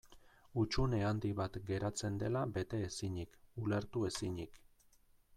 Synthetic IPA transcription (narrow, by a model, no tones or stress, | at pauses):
ut͡ʃune̞and̪iβat̪ɡe̞ɾat͡se̞nd̪e̞labe̞t̪e̞ːsiɲikule̞ɾt̪ue̞siɲik